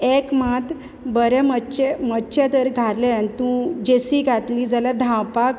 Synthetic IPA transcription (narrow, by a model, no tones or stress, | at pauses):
ekmat̪ | bəɾɛməɕemətːɕet̪əɾɡʱaɾleanit̪ũd͡ʑesiɡʱat̪liːd͡zalad̪ʱãwpak